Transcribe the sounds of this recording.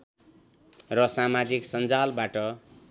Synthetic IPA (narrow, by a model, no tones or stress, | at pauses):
rʌsamad͡ziksʌnd͡zalbaʈʌ